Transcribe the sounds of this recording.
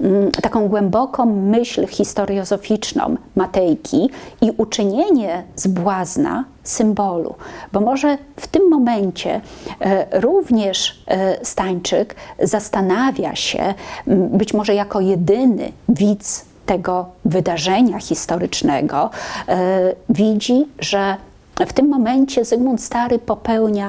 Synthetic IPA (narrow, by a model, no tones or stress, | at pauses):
t̪akɔ̃w̃ɡwɛmbɔkɔ̃w̃mɘɕlxʲist̪ɔɾɔzɔfʲit͡ʂnɔ̰̃wːat̪ɛjkʲʰiiʔut͡ʂɘɲeɲɛzbwazna̰ | sɘmbɔlṵbɔmɔʐɛft̪ɘmːɔmɛɲt͡ɕɛ̰ | ɾuvɲɛʂst̪aɲt͡ʂɘkzast̪anavʲja̰ɕɛ̰bɘt͡ɕmɔʐɛjakɔjɛd̪ɘnɘ̰vʲit̪s | t̪ɛɡɔvɘd̪aʐɛɲaxʲist̪ɔɾɘt͡ʂnɛ̰ɡɔ | vʲid͡ʑiʐɛ | ft̪ɘmːɔmɛɲt͡ɕɛsɘɡmɔnt̪st̪aɾɘpɔpɛwɲa